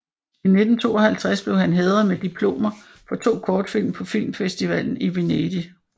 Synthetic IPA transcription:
ine̝d̥n̩t͡sʰo̝̰ːɒ̽hælt͡sʰʁasb̥le̝ʊhænɦeːðˠɐmed̥ipʰlo̝̰ːmɐ | fɒ̽t͡sʰo̝̰ːkʰɒːd̥fil̰mpʰɒ̽fil̰mfesd̥iʋæl̰n̩iʋe̝nedi

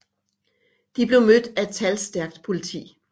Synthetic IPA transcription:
d̥ib̥le̝ʊmød̥æed̥̚t͡sʰælsd̥æɐɡ̥d̥pʰo̝lit͡sʰḭː

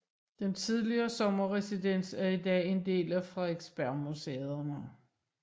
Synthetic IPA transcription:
d̥ent͡sʰið̞ˠliɐːsɒ̽mɐʁɛsid̥en̰sæɐidɛ̰ːe̝nd̥e̝̰ːlæfʁɑ̈eɡ̥sb̥æɐmuseðˠɐnə

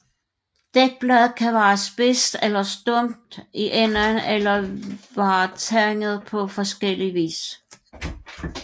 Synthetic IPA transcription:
d̥eɡ̥̚b̥lɛðˠkʰæʋæːɐsb̥e̝sd̥elɐsd̥ɔm̰d̥iʔen̰ɐnelɐʋɑ̈ːt͡sʰæŋð̞̩ˠpʰɒ̽fɒ̽sɡ̥el̰iʋḭːs

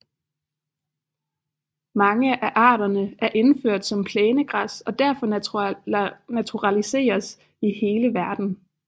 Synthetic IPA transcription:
mɑ̈ŋəʔæʔɑ̰̈ːɾɐnəʔæɐʔe̝nføɐ̰d̥sɒ̽mpʰlɛːnəɡ̥ʁɑsɒ̽d̥æɐ̰fɒ̽ | næt͡sʰuʁɑlise̝̰ːɐs | ihe̝ːləʋæɐd̥n̩

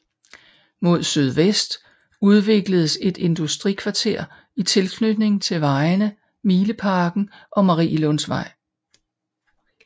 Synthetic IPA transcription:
mo̝ð̞̰ˠsyð̞ˠʋesd̥ | uð̞ˠʋe̝ɡ̥ləð̞̩ˠəse̝d̥e̝nd̥usd̥ʁikʰʋɑ̈t͡sʰe̝ɐ̰ | it͡sʰe̝lkʰnød̥ne̝ŋt͡sʰe̝lʋɑ̈ɪnə | miːləpʰɑ̈ːɡ̥n̩ʔɒ̽mɑʁḭːlɔnsʋɑ̈ɪ̰

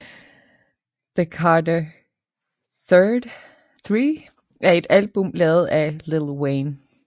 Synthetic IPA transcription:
ðəkʰɑːdə | θɜːd̥ | θʁiː | ʔæɐe̝d̥ælb̥ɔmlɛːʊð̞̩ˠælɪl̩ˠweɪn

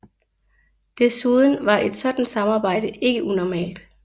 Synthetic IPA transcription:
d̥e̝suðˠn̩ʋɑ̈ʔe̝d̥sɒ̽d̥n̩d̥sɑ̈mɑ̈ːb̥ɑ̈ɪ̰ɾəʔe̝ɡ̥əʔunɒmɛ̰ːld̥

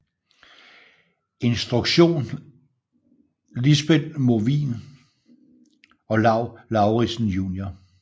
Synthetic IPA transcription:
e̝nsd̥ʁuɡ̥ɕo̝̰ːn | lisb̥edmoʋḭːn | ɒ̽lɑ̈ʊlɑ̈ʊʁisn̩juːnjɐ

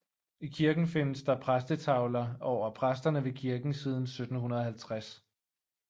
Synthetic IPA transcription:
ikʰiɐɡ̥n̩fe̝nəsd̥ɑ̈pʰʁasd̥ət͡sʰɑ̈ʊlɐɒʊ̰ɐpʰʁasd̥ɐnəʋe̝kʰiɐɡ̥n̩siːð̞ˠn̩sød̥n̩hunɐð̞̩ˠɦælt͡sʰʁas

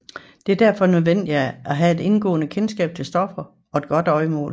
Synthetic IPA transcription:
d̥e̝æɐd̥æɐ̰fɒ̽nøðˠʋen̰d̥iææɦæe̝d̥e̝nɡ̥ɔ̰ːnəkʰensɡ̥ɛ̰ːb̥̚t͡sʰe̝lsd̥ɒ̽fɐ | ɒ̽e̝d̥̚ɡ̥ɒ̽d̥ɒ̽ɪmɔ̰ːl

